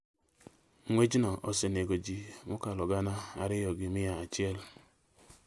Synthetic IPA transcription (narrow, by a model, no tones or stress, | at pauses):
ŋʷed͡ʒinɔʔɔseneɡod͡ʒimʊkalɔɡanaaɾɪjɔɡimijaat͡ʃiel